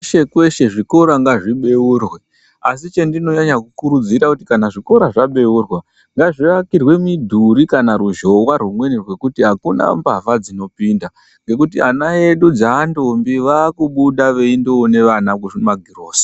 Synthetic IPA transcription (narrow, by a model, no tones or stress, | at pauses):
ʃekwe̞ʃe̞ʐiko̞ɾaŋɡaʐiɓe̞urwe | asit͡ʃe̞ndino̞ɲaɲakukuɾud͡ziɾakutikanaʐiko̞ɾaʐaɓe̞urwa | ŋɡaʐiakirwe̞midʱuɾikanaɾuʒo̞wwarwumwe̞nirwe̞kutiɦakuna̰mba̰vad͡zino̞pinda | ŋɡe̞kutianae̞ɗud͡zaːndombiʋaːkuɓuɗaʋe̞indoone̞ʋanakuimaɡʱiroːsi̥